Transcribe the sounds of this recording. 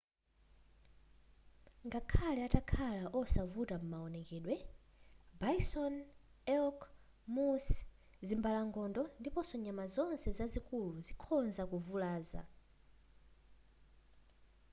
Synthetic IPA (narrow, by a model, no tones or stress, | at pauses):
ŋɡakʰalɛatakʰalaʔɔsavutam̩maɔnɛkɛːɗwɛ | baisɔn | ɛlkʰ | mus | zimbalaŋɡɔndɔndipɔsɔɲamazɔnsɛzazikuluzikʰɔnzakuvulaːza̰